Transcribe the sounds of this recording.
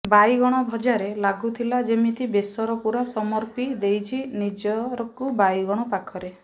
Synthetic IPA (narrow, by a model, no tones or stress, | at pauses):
bajɡɔɽ̃ɔbʱɔd͡ʒaɾelaɡut̪ʰilad͡ʒemit̪ibesɔɾɔpuɾasɔmɔɾpid̪ejt͡ʃʰinid͡ʒɔɾɔkubajɡɔɽ̃ɔpakʰɔɾe